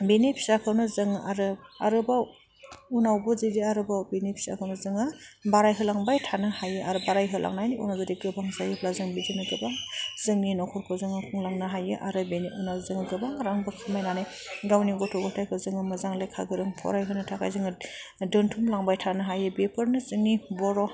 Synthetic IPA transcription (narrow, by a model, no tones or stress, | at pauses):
benepʰi̥sakʰɯwnɯzɯŋaɾɯa̰ɾɯbaw | unawbɯzidiaɾɯbawbenepʰi̥sa̰kʰawnɯzɯŋɯbaɾajɦɯlaŋbajtʰanɯhajɯʔaɾɯbaɾajɦɯlʔa̰ŋnajniʔṵnazadiɡɯbaŋzajɯblazɯŋbizɯnɯɡɯbaŋzɯŋninɔkʰɔɾkʰɔzɯŋakʰɔŋlaŋnɯɦajɯʔaɾɯbeniʔunazɯŋɡɯbaŋɾaŋbɯkʰimajnanaj | ɡawniɡɔtʰɔɡuntʰajkʰɯzɯŋɯmɯzaŋlajkʰa̰ɡɯɾɯŋpʰɔ̰ɾajɦɯnɯtʰakʰa̰jzɯŋɯdɯntʰumlaŋbajtʰanɯɦajɯbepʰɯɾnɯzɯŋnibɔɾɔ